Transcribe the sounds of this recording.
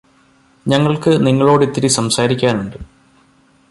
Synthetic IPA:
ɲɐŋːɐɭkɨniŋːɐɭo̞ːɽit̪ːiɾisɐmsaːɾikʲːaːnuɳɖɨ

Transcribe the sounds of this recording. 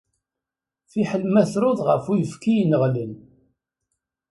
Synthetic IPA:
θiħəlmæθɾʊðʁəfujəfkijnəʁlən

